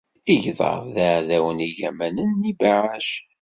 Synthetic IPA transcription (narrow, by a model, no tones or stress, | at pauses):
iʝðˤɑ̰vˤðaʕðæwəniʝæ̰mænənːibaʕaʃ